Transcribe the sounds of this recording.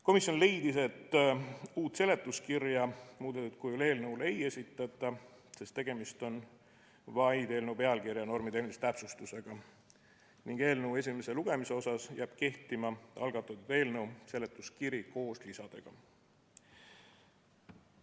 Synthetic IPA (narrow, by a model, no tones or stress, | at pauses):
ko̞misjo̞nle̞jd̪ise̞t̪ːuːt̪ˑːse̞le̞t̪ːˑuskirjɑmuːd̪et̪ːut̪̚kujole̞ːlnəule̞je̞sʲit̪ːˑɑt̪ːˑɑ | se̞st̪ːe̞ɡ̥e̞mist̪o̞n | vɑjd̪e̞ːlnəwpe̞ɑlkirjɑno̞rmid̪eːmist̪æpsust̪use̞ɡ̥ɑ | niŋɡ̥e̞ːlnəwe̞s̬ʲime̞se̞luɡ̥e̞mise̞o̞sɑsjæːb̥ke̞ht̪imɑɑlɡ̥ɑt̪ːˑɑt̪ːud̪̥e̞ːlnəwse̞le̞t̪ːˑuskiɾiko̞ːslisɑd̪̥eɡ̥ɑ